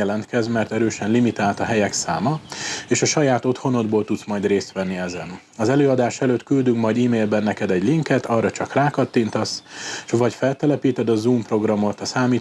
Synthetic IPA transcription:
ɛlɛnt̪kɛzmɛrt̪ɛɾøːʃɛnlimit̪aːlt̪ɒɦɛjɛksa̰ːmɒeːʃɒʃɒjaːt̪o̞t̪ho̞no̞d̪boːlt̪ut̪smɒjd̪reːst̪ʋɛnːiɛzɛn | ɒzɛløːɒd̪aːʃɛløːt̪kyld̪yŋkmɒjd̪iːmeːlbɛnːɛkɛd̪ɛɟliŋkɛt̪ɒrːɒt͡ʃɒkraːkɒt̪ːint̪ɒsʃʋɒcfɛlt̪ɛlɛpiːt̪ɛd̪ɒzuːmpro̞ɡrɒmo̞t̪ɒsaːmiː

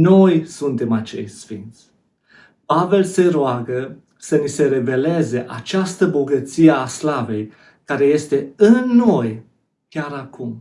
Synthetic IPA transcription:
no̞jsunt̪e̞mat͡ʃe̞jsfint̪sʲ | pave̞lse̞ɾoaɡə | sənise̞ɾe̞ve̞le̞ze̞ʔat͡ʃast̪əbo̞ɡət̪sijeaslave̞j | kaɾe̞je̞st̪e̞ɨnːo̞j | kʲaɾakum

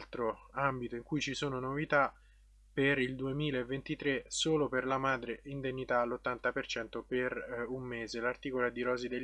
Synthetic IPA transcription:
lt̪ɾoambit̪oiŋkujt͡ʃisoːnonovit̪a | perild̪uemiːlaevːent̪it̪ɾesoːloperlamaːd̪ɾeind̪eɲːit̪alot̪ːant̪apert͡ʃɛnt̪operumːeːzelart̪iːkoloɛd̪iɾɔːzid̪e

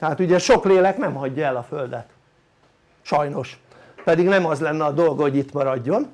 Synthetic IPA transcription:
t̪ɛɦaːt̪uɟɛʃo̞kleːlɛknɛmhɒɟːɒɛlɒfø̞ld̪ɛt̪ | ʃɒjno̞ʃ | pɛd̪iɡnɛmɒzlɛnːɛɒd̪o̞lɡhoɟit̪mɒɾɒɟːo̞n

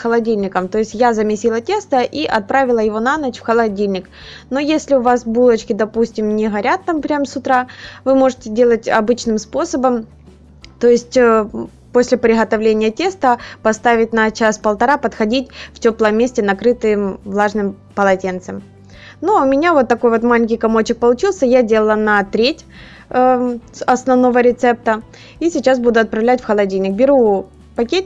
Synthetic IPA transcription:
xəlˠɐdʲilʲnʲɪkəmt̪o̞jɪsʲtʲjazəmʲɪsʲilˠətʲe̞st̪əʔiʔɐt̪̚pɾavʲɪlˠəjɪvo̞nanət͡ɕfxəlˠɐdʲilʲnʲɪk | nojesʲlʲɪʊvasbulˠət͡ɕkʲɪd̪ɐpusʲtʲɪmnʲɪɣɐɾʲat̪ːampɾʲamsʊt̪ɾavɨmo̞ʐɨtʲɪdʲe̞lˠətʲɐ̰bɨt͡ɕnɨmspo̞səbəm | t̪o̞jɪsʲtʲ | po̞sʲlʲɪpɾʲɪɣət̪ɐvlʲenʲɪjətʲe̞st̪əpɐst̪avʲɪt̚ʲnɐt͡ɕaspəlˠt̪ɐɾapɐt̪xɐdʲitʲftʲoplˠəmʲːesʲtʲɪnɐkɾɨt̪ɨjɪmvlˠaʐnɨmpəlˠɐtʲent̪sɨm | nuʊmʲɪnʲavo̞t̪ːɐko̞jvo̞t̪malʲɪnʲkʲɪjkɐmo̞t͡ɕːɪk̚pəlˠʊt͡ɕilˠsʲəjadʲe̞lˠəlˠənɐt̪ɾʲetʲ | ɐsnɐvno̞vəɾʲɪt̪sɛp̚t̪ə | isʲɪt͡ɕːasbud̪ʊɐt̪̚pɾɐvlʲætʲfxəlˠɐdʲinʲɪk̚bʲɪɾu | pɐkʲetʲ

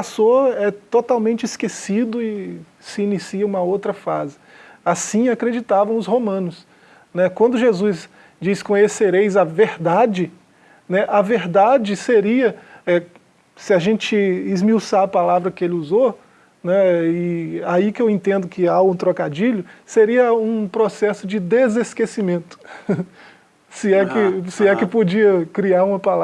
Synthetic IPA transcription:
pasoɛt̪ot̪awmẽnt͡ʃɪiskesid̪ʊɪ | sɪːnisiɐũmɐowt̪ɾɐfazɪ | asĩakɾed͡ʒit̪avɐ̃w̃ʊshomɐ̃nʊs | nɛkwɐ̃nd̪ʊʒezus | d͡ʒiskõjeseɾejzɐveɾd̪ad͡ʒɪ | nɛʔɐveɾd̪ad͡ʒɪseɾiɐɛ | sɪaʒẽnt͡ʃɪːzmiwsaɐpalavɾɐkɪelɪuzo | nɛɪaikɪewẽnt̪ẽnd̪ʊkɪaũt̪ɾokad͡ʒiʎʊseɾiɐũpɾosɛsʊd͡ʒɪd̪ezeskesimẽnt̪ʊ̥ | sɪɛkɪsɪɛkɪpod͡ʒiɐkɾiaɾũmɐpala

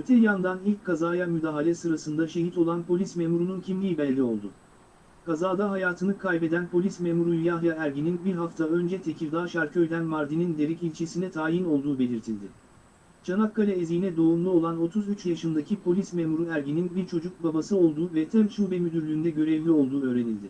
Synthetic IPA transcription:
øt̪ʰɛjand̪anilʲckʰːazaːjamyd̪aːɦalʲɛsɯɾasɯnd̪aʃe̞ɦit̪o̞lˠanpʰo̞lʲismemuɾununcʰimlʲiːibelʲlʲio̞̰lˠd̪ʊ | kʰazaːd̪aɦajaːt̪ʰɯnɯkʰajpe̞d̪ænpʰo̞lʲismemuɾujjaɦjaæɾɟininbiɾɦaft̪ʰaø̞nd͡ʒɛt̪ʰe̞cʰiɾd̪aːʃaɾcʰø̞jd̪ʲænmaɾd̪inind̪e̞ɾicilʲt͡ʃʰesinɛt̪ʰaːjino̞lˠd̪uːbe̞lʲiɾt̪ʰilʲd̪ɪ | t͡ʃʰanakʰːalʲaezijnɛd̪o̞umlˠuo̞lˠano̞t̪ʰuzyt͡ʃjaʃɯnd̪acʰipʰo̞lʲismemuɾuæɾɟininbiɾt͡ʃʰo̞d͡ʒuk̚babasɯo̞lˠd̪uːvɛt̪ʰɛmt͡ʃʰuːbɛmyd̪yɾlʲyːnd̪ɛɟø̞ɾɛvlʲio̞lˠd̪uːø̞ːɾe̞nilʲd̪ɪ

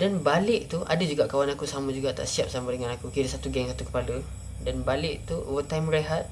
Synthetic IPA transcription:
danbalɪʔt̪uʔa̰dəd͡ʒuɡaʔkawanakusamãd͡ʒuɡaʔt̪a̰ʔsiap̚samãdəŋãnakukiɾəsat̪uɡɛŋsat̪ukə̥palə | danbalɪʔt̪ṵwət̪ajmɾeɦat̪̚

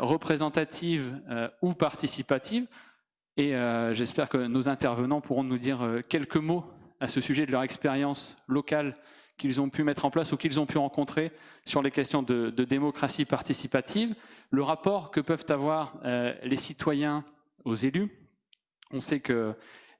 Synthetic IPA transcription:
ʁəpχezɑ̃t̪at̪ʰivøupaʁt̪isipat̪ʰiv | eøʒɛspɛʁkənozɛ̃t̪ɛʁvənɑ̃puʁɔ̃nud̪iʁkʲɛlkəmoasəsyʒɛd̪əlœʁɛkspeʁjɑ̃slɔkal | kʲilzɔ̃pymɛt̪χɑ̃plasukilzɔ̃pyʁɑ̃kɔ̃t̪χesyʁlekʲɛst̪jɔ̃d̪əd̪əd̪emɔkχasipaʁt̪isipat̪ʰivləʁapɔʁkəpœvt̪avwaʁølesit̪wajɛ̃ | ozely | ɔ̃sɛkə

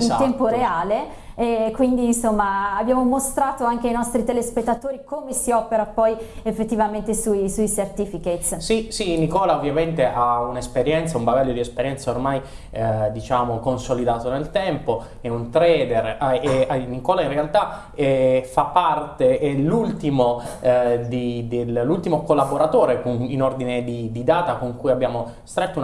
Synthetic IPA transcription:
int̪ɛmpoɾeaːle | ɛkwind̪iːnsomːaːbːjaːmomost̪ɾaːt̪oaŋk̟einɔst̪ɾit̪elespet̪ːat̪oːɾikomesiɔːpeɾapɔjefːet̪ːivament̪esuisuisert̪iːfiket̪ssisinikɔːlaovːjament̪eʔaunespeɾjɛnt̪saumbaɡaʎːod̪iespeɾjɛnsaormaj | d̪it͡ʃaːmokonsolid̪aːt̪onelt̪ɛmpo | ɛunt̪ɾɛːd̪eraenikɔːlainrealt̪a | ɛfapːart̪eʔɛlult̪imo | d̪id̪elːult̪imokolːaboɾat̪oːɾekoninord̪ined̪id̪id̪aːt̪akoŋkujabːjaːmo | st̪ɾet̪ːou

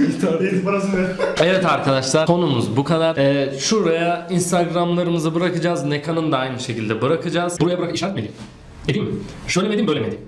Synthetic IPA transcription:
t̪ʰaet̪baɾasɯnɛvɛt̪aɾkʰad̪aʃlˠaɾo̞numuzbukʰad̪aɾɛʃuɾajainst̪ʰaɡɾamlˠaɾɯmɯzɯbɯɾakɯd͡ʒaːznekʰanɯnd̪aajmɯʃe̞cilʲd̪ɛbɯɾakʰɯd͡ʒaːz̥buɾajabɾakɯiʃlat̪med̪im | ed̪imʃøjlʲemd̪imbøjlʲɛmed̪im

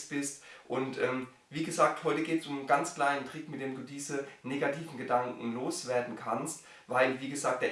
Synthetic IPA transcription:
sb̥ɪstʔʊntʔɛːm | viːɡəzaːk̚thɔʏtəɡeːtəsʊmənɡant͡skl̥aɪnəntʁ̥ɪkmɪtd̥eːmduːdiːzəneːɡatʰiːvn̩ɡədaŋkŋ̩loːsv̥eːɐdn̩kʰanst | vaɪlviːɡəzaːk̚d̥eːɐ

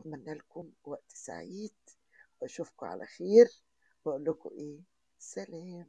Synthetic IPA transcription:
manːalkʊmwaʔt̪sa̰ʕiːd̪ | wɪʔaʃufkʊʕa̰lʔa̰xeːɾ | baʔʊlːʊkʊ̰ʔeː | saleːm

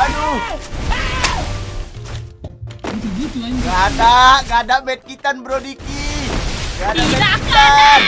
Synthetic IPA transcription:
anu | ɡadaʔɡadaʔbɛt̪̚kit̪anbəɾodiki | ɡadabɛt̪̚kit̪an

